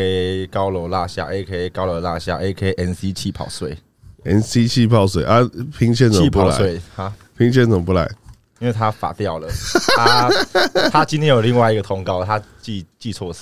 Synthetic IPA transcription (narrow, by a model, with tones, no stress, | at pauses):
e˧kɑ˦ʊlə˨˦la˥˧ɕja̰˥˧ʔe˧˥˩kʰe˧˩˨kɑ˦ʊlə˨˧˩la˥˧ɕja̰˥˩ʔe˧˩˨kʰe˥˩ʔɛ˧˥nsi˦˥t͡ɕʰi˥˩pʰɑ˨˩ʊswe˥˩ɪ | ɛ˧˩nsi˦t͡ɕʰi˥˧pʰɑ˥˧˨ʊs̬wḛ˨˦ʔa˥˦pʰi˧˥ŋt͡ɕʰjɛ˥˧nt͡spu˨˦la̰˨swe˥˨ha˦pʰi˧˥ŋt͡ɕʰjɛ˥˧˨nt͡sə˨˩ŋpu˧˥la̰˨˧˦ɪ | i˦nwe˥˩ɪt̪ʰa˦˥fa̰˨˩t̪jɑ˥˨˩ʊlə˩˦a˦ | t̪ʰa˥t͡ɕĩ˧˥nt̪ʰjɛ˥jo˨˩li˥˧ŋwa˥˧ɪi˧ɡə˨t̪ʰɔ˧˥ŋkɑ˥˦ʊt̪ʰa˦t͡ɕi˥˧t͡ɕi˥˧t͡sʰwɔ˥˧